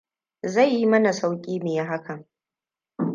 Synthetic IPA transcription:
za˦˨jːi˦mɐ˦na˨sa˦wkʲʼiː˦mɪ˨ja˦ɦa˦kʰɐ˨ŋ

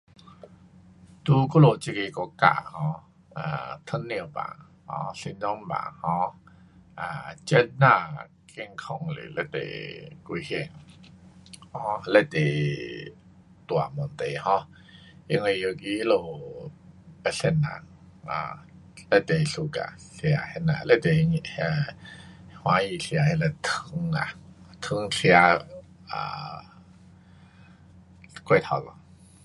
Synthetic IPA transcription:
t̪u˧kɔ˦lo˧˨t͡ɕi˧ke˧kɔ˧ka̰˧˨hɔ˧˦ | a̰˨t̪ʰə˧˥nːi˧˨ba̰˨ | hɔ̰˧˦ɬi˧dɔ˦ŋba̰˨˩hɔ̃˧˦ | ʔa˨t͡ɕə˧˦t̚na˧˨ | ke˧˨ŋkʰɔ˧ŋlḛ˨lɛ˧˦t̪ḛ˨ku˧he˧˩ŋ | hɔ˧˦lɛ˧˩t̪ḛ˨ | t̪u˨a˨mɔ˨nt̪e˨hɔ̃˧˦ | i˧ŋə˧jo˧ki˧˦lo˧ | pə˧ɬe˧nã̰˧˨ŋ | a̰˧˩ | lə˧˦˨t̪e˨˧ɬu˧ka̰˧˨ɬja˧hɛ˧na̰˨le˦˨t̪e˨ɲ˧ | hwa˧˦ji˧ɬja˧he˧la˧˨t̪ʰɨ˧ŋa̰˨t̪ʰɨ˧˦ŋɬja˧ | a̰˨ | kʰwe˧˨t̪ʰa˧˩lɔ̰˧˨

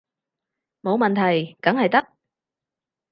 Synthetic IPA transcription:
mo˨˧wmɐ˨nt̪ʰɐ˨˩jkɐ˨˥ŋhɐ˨jt̪ɐ˥k̚

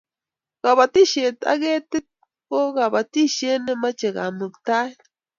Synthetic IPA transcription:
ɡ̥a˨βa˨t̪i˦ʃe˨t̪a̰˦ɡe˦t̪e˦t̪̚ | ko˦ɣa˨ba˨t̪i˦ʃe˦ne˧ma˦t͡ʃe˨ɡa̰˨mɨ˨kt̪a˦j

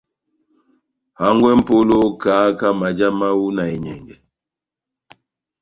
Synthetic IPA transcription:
ha˦ŋɡwɛ˦m̩˦po˦lo˦kaː˨˦ka˦ma˨d͡ʒa˦ma˦wu˦na˨ɛ˨ɲɛ˨ŋɡɛ˨

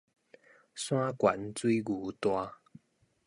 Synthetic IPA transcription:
sw̃ã˦kwa˨˦nt͡swi˦ɡu˨˩t̪wa˧

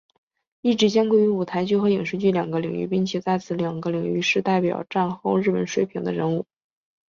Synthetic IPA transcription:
i˥˩ʈ͡ʂɻ̩˧˥t͡ɕjɑ˥ŋkwo˥˩ɪy˧˥u˨˩t̪ʰa˧˥ɪt͡ɕo˥xɤ˧˥i˨˩ŋʂɻ̩˥˧t͡ɕy˥˩ljɑ˨˩ŋɡə˧˦li˨˩ŋy̰˥˩pi˥nt͡ɕʰjɛ˨˩t͡sa˥˩ɪt͡sʰɹ̩˧˥ljɑ˨˩ŋɡə˧˦li˨˩ŋy̰˥˧ʂɻ̩˥˧t̪a˥˩ɪpjɑ̰˨˩ʊʈ͡ʂa˥˧nxo˥˧ʊɻ̩˥˩pə˨˩nʂwe˥ɪpʰi˧˥ŋd̪ə˦ɻə˧˥nu˥˩

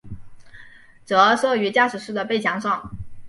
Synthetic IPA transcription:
t͡sɤ˧˥ʂɤ˥˩y˧˥t͡ɕja˥˩ʂɻ̩˨˩ʂ̩˥˩d̪ə˩pe˥˩ɪt͡ɕʰjɑ˧˥ŋʂɑ˥˩ŋ

